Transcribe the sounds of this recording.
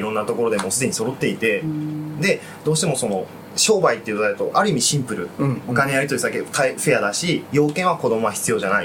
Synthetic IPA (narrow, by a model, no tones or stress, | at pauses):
iɾõ̞nːat̪o̞ko̞ɾo̞d̪e̞mosɨd̪e̞ɲ̟iso̞ɾo̞t̪ːe̞it̪e̞d̪e̞ | d̪̥o̞ːɕi̥t̪e̞mo̞so̞no̞ | ɕo̞ːbait̪ːeiɯ̟t̪oaɯt̪oʔaɾɯ̟imʲiɕĩmpɯ̟ɾɯ̟hokanejaɾʲit̪oisaket̪aiɸe̞jad̪aɕijo̞ːkẽ̞ɰ̃ako̞d̪o̞mo̞βaçi̥t͡sɨjo̞ʑanai